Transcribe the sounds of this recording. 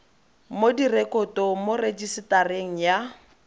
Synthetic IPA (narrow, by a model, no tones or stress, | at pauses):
modirekʼɔtɔmored͡ʒisɪtareŋ̩ja